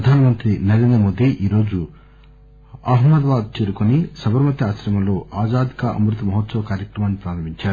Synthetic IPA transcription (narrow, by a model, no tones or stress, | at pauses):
ɾɐd̪ʱaːnɐmɐnt̪ɾinɐɾenɐmoːd̪iʔiːɾo̞ːd͡ʒu | ɐɦmɐd̪ʋaːd̪̚t͡ʃe̞ːɾukonisɐbɐɾmɐt̪jɐaːsɾɐmɐmlo̞ːʔaːd͡ʒaːd̪ʱikɐʔɐ̰mɾut̪ɐmɐɦt̪sɐʋɐkaːɾjɐkɾɐmaːnːipɾaːɾɐmiɲt͡ʃaːɾu